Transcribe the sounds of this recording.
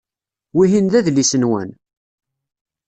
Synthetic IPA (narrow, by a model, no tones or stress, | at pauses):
wiɦinðæðlisənwæ̰n